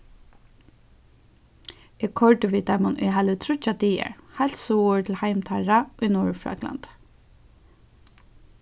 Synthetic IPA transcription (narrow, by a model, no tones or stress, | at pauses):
ɪkʰɔɹtəʋiːt̪amʊnʔʊ̰jɦalət̪ʰɾʊt͡ʃat̪iːɛ̰ɹhalt̪suːʊɹt̪ʰɪlhaɪmt̪ʰaɹaʊjnuːɹfɹa̰kla̰nt̪